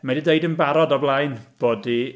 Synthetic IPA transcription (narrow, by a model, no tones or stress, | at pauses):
mɛdideɨdənbaɾɔdɔblˠajnb̥oːdi